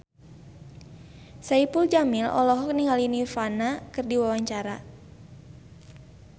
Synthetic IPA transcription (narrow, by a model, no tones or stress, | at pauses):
saipʊld͡ʒamɪlɔ̰lɔɦɔk̚niŋalinifanakɨrdiwawaɲt͡ʃaɾa